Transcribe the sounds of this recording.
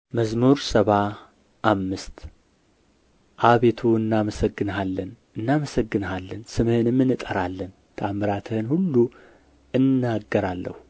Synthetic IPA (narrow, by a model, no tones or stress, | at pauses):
məzmuɾsəβa | ʔamːɨst̪ | ʔaβe̞t̪ʰuɨnːaməsəɡːɨnɦalːən | ɨnːaməsəɡːɨnhalːənsɨməhɨnɨmːɨnɨt̪ʼəɾalːən | t̪ʰamɨɾat̪ʰəhɨnhulːu | ʔɨnːaɡːəɾalːə̰hu